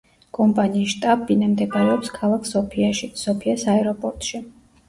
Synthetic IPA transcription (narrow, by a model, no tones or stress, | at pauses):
kʼɔmpʼaniːʃt̪ʼabinamd̪ɛɡaɾɛɔpskʰalˠakʰsɔpʰiaʃisɔpʰiasaɛɾɔpʼɔɾt̪ʼʃi